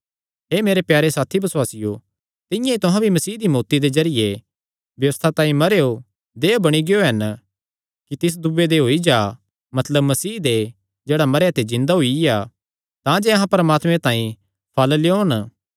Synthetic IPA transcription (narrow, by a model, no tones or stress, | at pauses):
ɦeːmeːɾepjaːɾesaːt̪ʰibɐswaːsɪjo | t̪ɪ̃jãit̪ʊ̃ɦãbʱimɐsiːd̪imoːt̪id̪ezɐɾɪje | bjɐʋəst̪ʰat̪ãːĩmɐɾeːo | d̪eːobɐɽ̃iɡejoɦɐn | kit̪ɪs̬d̪ubed̪eɦoːid͡ʒaː | mɐt̪ləbmːɐsiːd̪e | d͡ʒeːɽamɐɾejat̪ezɪ̃nd̪aɦoija | t̪ãːd͡ʒeɐɦãpɐɾɐmaːt̪mẽt̪ãːĩ | pʰɐlljoːn